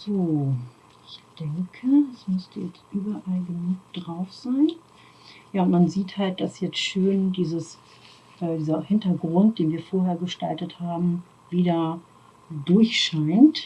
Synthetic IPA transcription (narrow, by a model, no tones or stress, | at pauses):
z̥oː | ʔɪçd̥ɛŋkʰəɛsmʏstʰəjɛt͡stʔyːbɐʔalɡənuːk̚d̥ʁaʊfz̥aɪn | jaːʊntmanziːthalt̚d̥asjɛt͡stʃøːndiːzəs | ʔɛːdiːzɐhɪntɐɡʁʊnt̚d̥eːnviːɐfoːɐɦeːɐɡəʃtaltəthaːbm̩ | viːdɐ | dʊɐçʃaɪnt